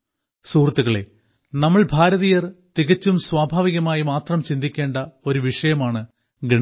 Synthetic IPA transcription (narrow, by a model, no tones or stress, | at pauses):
suːrt̪ːuɣɐɭe̞̰ | nɐmːɐɭbʱaːɾɐðijɐrt̪iɣɐt͡ɕːumswaːbʱaːʋiɣɐmaːjimaːt̪rɐmt͡ɕind̪ikʲːe̞ːɳɖɐo̞ɾuʋiʂɐjɐmaːɳɨ | ɡɐɳ